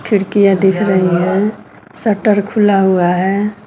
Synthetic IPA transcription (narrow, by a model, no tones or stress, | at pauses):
kʰɪɽkijad̪ɪkʰɾəɦiɦɛ̃ | səʈəɾkʰʊlaɦuaɦɛː